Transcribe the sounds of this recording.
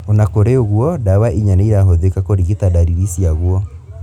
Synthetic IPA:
onakoɾeoɣuɔdawaʔiɲaneiɾaɦoðekakoɾiɣetadaɾiɾisiaɣwɔ

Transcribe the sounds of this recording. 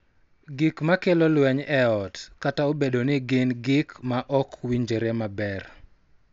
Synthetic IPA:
ɡɪkmakelolwɛɲɛɔtkataobedonɪɡɪnɡɪkmaʔɔkwiɲd͡ʒeɾemabɛr

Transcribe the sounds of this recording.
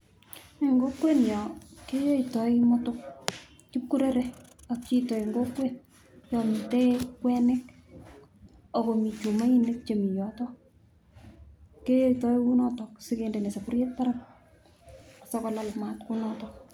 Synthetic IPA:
eŋɡokwenjɔkejeitɔimɔtʊk̚ | t͡ʃip̚kuɾeɾeak̚t͡ʃitoiŋɡokwen | t͡ʃɔmitekwɛnɪk | okomit͡ʃumainek̚t͡ʃemijɔtɔ | kejoitɔiwunɔtɔksɪkendenesapuɾjet̚paɾam | ksakɔlalmatkunɔtɔk

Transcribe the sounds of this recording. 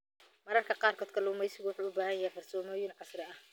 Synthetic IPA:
mɐɾɐrkʰɐqɑːrkʰɔːd̪kʰɐlɛʊmɛjsɪɣʊwʊħuːʊbaːhɐjɐhɛjfɐrsɔːmɔːjɪnʕɑsrɛɐh

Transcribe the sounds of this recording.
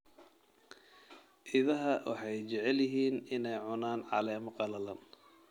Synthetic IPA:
ʔɪðɐɦɐwʔɑ̰ħɑjt͡ʃɛʕɛljɪɦiːnɪnɛjʕʊnaːnʕɑ̰lɛːmʊqɑlɐlɐn

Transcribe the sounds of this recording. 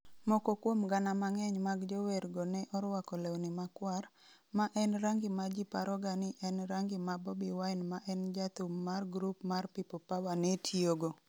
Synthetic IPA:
mɔkokwomɡanamaŋɛɲmaɡd͡ʒɔweɾɡɔnɛʔɔɾwakɔlewnɪmakwar | maʔɛnɾaŋɡɪmad͡ʒipaɾɔɡanɪʔɛnɾaŋɡɪmabɔbiwaɪnmaʔɛnd͡ʒat̪umarɡɾupmarpipopawanetʰioɡo

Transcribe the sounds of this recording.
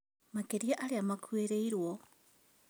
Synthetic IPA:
makeɾiaʔaɾeamakueɾeiɾwɔ

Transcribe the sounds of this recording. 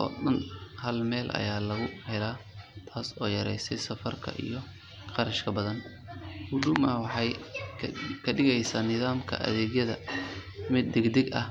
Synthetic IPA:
ʔɔ̰ːɗɐnhɐlmɛːlʔɐ̰jaːlɐɣʊhɛlaːt̪ʰaːsɔːjɐɾɛ̰jsɛjsɐfɐrkʰɐ̰ʔḭjɞ | qɑɾɐʃkʰɐbɐðɐn | hʊɖʊmɐwɑħɑj | kʰɐɖɪɣɛjsaːnɪðaːmkʰɐ̰ʔɐ̰ðɛːɡjɐðɐ | mɪd̪̚ːɛɡd̪ɛɡɐh

